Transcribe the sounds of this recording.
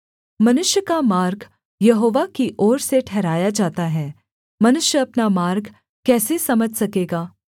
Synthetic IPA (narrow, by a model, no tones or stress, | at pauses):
mɐnʊʃjəkamaːɾɡ | jɐɦoːʋakiʔɔːɾseʈʰɛːɾaːjad͡ʒaːt̪aɦɛː | mɐnʊʃjəɐpnamaːɾɡ | kɛːsesɐməd͡ʒʱsɐkeːɡaː